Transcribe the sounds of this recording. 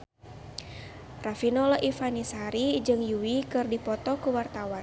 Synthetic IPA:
rafinɔlaʔifanisaɾid͡ʒɨŋjuwikɨrdipɔt̪ɔkuwart̪awan

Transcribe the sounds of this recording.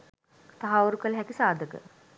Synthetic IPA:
t̪aɦaʋuɾukəlɦɛkisaːd̪əkə̰

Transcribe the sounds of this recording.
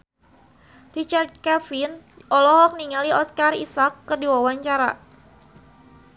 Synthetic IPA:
rit͡ʃard̪̚kafin | ʔɔlɔɦɔk̚niŋaliɔskarḭsakːədiwawaɲt͡ʃaɾa̰

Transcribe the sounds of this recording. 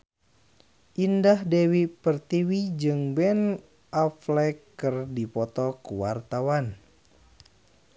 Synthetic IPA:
ʔindahdɛwipərt̪iwid͡ʒɨŋbɛn | ʔaflɛkːərdipɔt̪ɔkuwart̪awan

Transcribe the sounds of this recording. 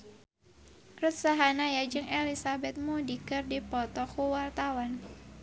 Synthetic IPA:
rut̪̚saɦanajad͡ʒɨŋelisabɛt̪̚mudikɨrdipɔt̪ɔkuwart̪awan

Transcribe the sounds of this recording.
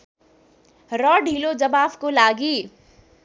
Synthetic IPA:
ɾɔɖʱiːlod͡ʒɐbaːfkolaːɡiː

